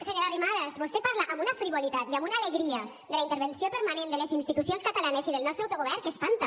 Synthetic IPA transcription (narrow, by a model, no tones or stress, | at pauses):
seɲoɾarimaðazβost̪epaɾlaʔamunafɾiβolit̪at̪iamunaːleɣɾia | d̪əlaint̪eɾβensiopəɾmanẽnd̪əlesinst̪it̪usjonskat̪alanesiðelnɔst̪ɾawt̪oɣoβɛɾkespant̪a